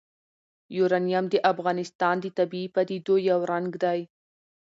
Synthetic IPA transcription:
juɾɑnijamd̪əʔafɣɑnɪst̪ɑnd̪ət̪abiipad̪id̪ojawɾaŋɡd̪aj

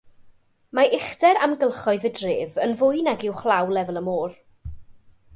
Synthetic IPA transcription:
maʔɪχdɛɾamɡəlˠχɔɨðədrɪːvənvʊjnaɡɪwχlˠawlˠɛvəlˠəmoːr

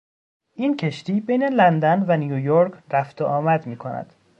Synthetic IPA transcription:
ʔiːncʰe̞ʃt̪iːbejne̞lænd̪ænvænijujoɾkʰɾæft̪oʔɒːmæd̪miːkʰonæ̰d̪̥

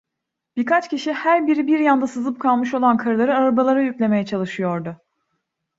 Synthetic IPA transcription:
b̥iɾkat͡ʃciʃihæɾbiɾibiɾjand̪asɯzɯp̚kʰalˠmɯʃo̞lˠankʰaɾɯlˠaɾɯaɾabalˠaɾajycʲlʲe̞me̞jɛt͡ʃʰalˠɯʃɯjo̞ɾd̪ʊ

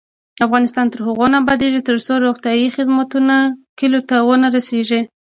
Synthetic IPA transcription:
afɣɑnɪst̪ɑnt̪əɾhaɣonabɑd̪eʒit̪əɾsoɾoxt̪jɑjixɪd̪mat̪unakɪlot̪awənaɾaseʒi

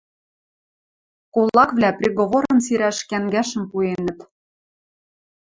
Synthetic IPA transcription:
kolːɑkβlæprʲeɣoβoɾɤ̆msiɾæʃkæŋɡæʃə̆mpuenə̆t̪

